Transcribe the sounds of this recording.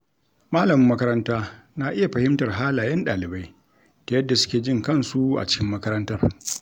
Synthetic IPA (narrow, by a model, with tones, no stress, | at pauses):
maː˦lɐ˨mɪ˦mːɐ˦kɐ˦ɾɐ˦ntaː˦na˦ʔɪ˦ja˨ɸɐ˨hɪ˦mtɐ˨rɦaː˦laː˨jɐ˦nɗaː˨lɪ˨ba˦j | ta˨jɐ˦dːa˨sʊ̥˦kʲeː˨d͡ʒɪ˦ŋkɐ˦˨nsu˦ʔa̰˨t͡ʃɪ̥˦kʲɪ˦mːɐ˦kɐ˦ɾɐ˦ntɐ˦r